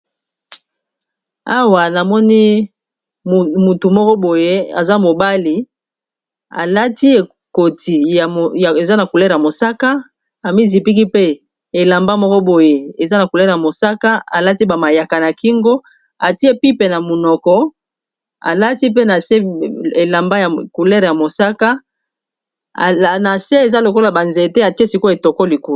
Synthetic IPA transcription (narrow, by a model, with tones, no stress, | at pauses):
a˦wa˨na˨mɔ˦ni˦˨ | mu˨tu˨mɔ˦kɔ˦bo˨je˦a̰˨za˦mo˨ba˦li˨ | a̰˨la˦ti˦e˨ | ko˨tʰi˨e˨za˦na˨ku˨le˦ʁa˨mo˨sa˦ka˦ | a˨mi˦zi˨pi˦ki˦pe˦ | e˨la˨mba˦mɔ˦kɔ˦bo˨je˨e˨za˦na˨ku˨lɛ˦ʁja˨mo˨sa˦ka˦a̰˨la˦ti˦ba˨ma˨ja˨ka˨na˨ki˦ŋɡo˦ | a˨ti˦e˦pi˦pe˨na˨mo˨nɔ˨kɔ˦ | a̰˨la˦ti˦p̬e˦na˨se˦e˨la˨mba˦ja˨ku˨lɛ˦ʁja˨mo˨sa˦ka˦˨ | na˨se˦e˨za˦lo˨ko˦la˨ba˨nze˨te˦a˨ti˦e˦si˨ko˦e˨tɔ˨ko˦li˨ku˦˨